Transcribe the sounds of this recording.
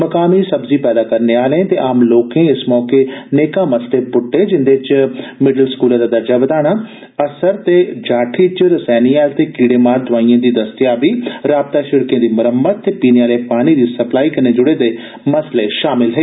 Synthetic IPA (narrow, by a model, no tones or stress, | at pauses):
məkaːmiːsəbziːpɛːd̪aːkəɾneːaːlẽːt̪eːʔaːmloːkẽːɪsmɔːkeːneːkãːməsleːpʊʈːeːd͡ʒɪnd̪eːt͡ʃmɪɖəlskuːlãːd̪aːd̪əɾd͡ʒaːbəd̪aːɽ̃aː | əsəɾt̪eːd͡ʒaːʈʰiːt͡ʃɾəsɛːniːaːlt̪eːkiːɽeːmaːɾd̪ʊaːiːãːd̪iːd̪əst̪ɪjaːʋiːɾaːb̚t̪aːʃɪɽkẽːd̪iːmʊɾəmːət̪̚t̪eːpiːneːaːleːpaːñiːd̪iːsəplaːiːkəɾneːd͡ʒʊɽeːd̪eː | məsleːʃaːmɪlɦəeː